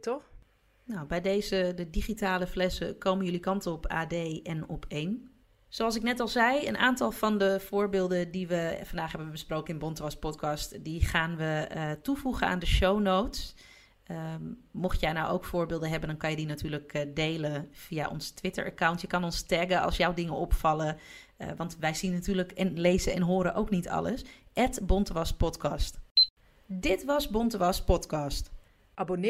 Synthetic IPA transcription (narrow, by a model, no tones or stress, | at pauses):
tɔx | nawbɛjdejzədədiχitaːləflɛsəkowmənjʏlikɑntəɔpʰa̰ːdejɛnɔpʰeːn | soɑlˠs̬ɪknɛtɑlˠzɛjə̰nʔaːntɑlˠvɑndəv̥ʊːɹbɪːlˠdəndiʋəfɑndaːχɦɛbəbəsprowkənɪnbɔntʋɑspɔtkʰɑstdiχaːnʋətuvuχəna̰ːndəʃownowts | moxtjɛjnawʔo̰wkfʊːɹbɪːlˠdəɦɛbəndɑnkɑnjədinatyːɹləkdejləfiaʔɔ̰nstʋɪtə̰ɹʔa̰kawntjəkɑnɔnstɛɡəɑ̰lˠsjawdɪŋəɔpfɑlə | ʋɑntʋɛjzinːatyːɹləkɛnlejzəɛnɦoːɾəʔo̰wknitʰɑ̰lə̰sʔɛtbɔntəʋɑspɔtkɑst | dɪtʋɑsbɔntəʋɑspɔtkɑst | ʔabon